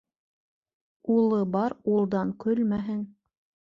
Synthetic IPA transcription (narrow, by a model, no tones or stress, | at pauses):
ulˠɤbɑɾulˠd̪ɑŋkɵlmæɦɘŋ